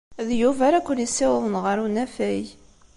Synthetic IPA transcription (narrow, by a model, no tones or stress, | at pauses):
ðjuvæɾækʷːənisːɪwəðˤənʁəɾunæfæj